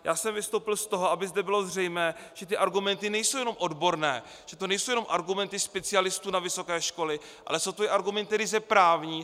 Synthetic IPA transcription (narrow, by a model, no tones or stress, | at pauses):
jaːsɛmvɪst̪owpɪlst̪o̞ɦoabɪzdɛbɪlo̞zr̝ɛjmɛːʒ̥ɛt̪ɪʔaɾɡumɛnt̪ɪnɛjsowjɛno̞mʔodbo̞ɾnɛ̰ː | ʒ̥ɛt̪onɛjsowjɛnomʔaɾɡumɛnt̪ɪspɛt͡sɪalɪst̪uːnavɪso̞kɛːʃko̞lɪ | ʔa̰lɛsowt̪ojɛʔaɾɡumɛnt̪ːdɪzɛpɾaːvɲiː